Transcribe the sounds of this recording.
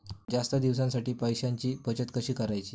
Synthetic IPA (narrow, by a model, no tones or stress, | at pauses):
d͡ʑast̪əd̪iʋsãnsaʈiːpəjɕaɲt͡ɕiːpət͡ɕət̪kəɕiːkəɾajt͡ɕiː